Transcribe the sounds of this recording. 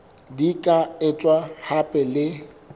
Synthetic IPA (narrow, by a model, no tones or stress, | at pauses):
dikʼaɪt͡sʼwahapʼɛlɪ